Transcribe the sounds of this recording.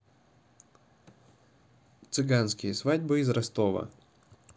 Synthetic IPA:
t̪sɨɡansʲkʲijɛsʋadʲbɨizɾɐst̪ɔʋɐ̰

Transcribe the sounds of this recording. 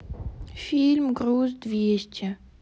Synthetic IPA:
fʲilʲmɡɾuːzd̪vʲeɕt͡ɕʲɛ

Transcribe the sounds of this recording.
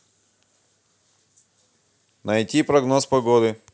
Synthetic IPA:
nɐjtʲipɾɐɡnospɐɡod̪ɨ

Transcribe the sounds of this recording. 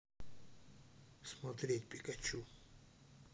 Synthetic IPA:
smat̪ɾʲetʲpʲikɐt͡ɕu

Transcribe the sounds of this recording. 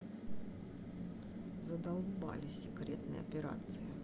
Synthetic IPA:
zəd̪ɐlˠba̰lʲɪsʲɪkɾʲet̪nə̰jɐ̰pʲɪɾa̰t̪sɨjɪ

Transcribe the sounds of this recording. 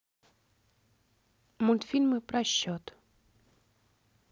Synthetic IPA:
mʊlʲt̪fʲilʲmɨpɾɐɕːɔt̪

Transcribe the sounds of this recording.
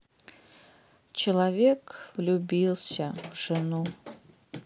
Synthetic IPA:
t͡ʃʰelˠavʲekʰvlʲubʲilˠsʲɐvʐɨnu

